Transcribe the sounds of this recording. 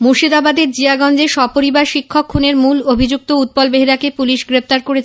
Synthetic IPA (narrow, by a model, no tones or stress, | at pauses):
muɾʃid̪abad̪eɾd͡ʑiaɡɔnd͡ʑeʃɔpoɾibaɾʃikʰːokʰːuneɾmulobʱid͡ʑuk̚t̪out̪̚pɔlbeɦeɾakepuliʃɡɾept̪aɾkoɾet͡ɕʰe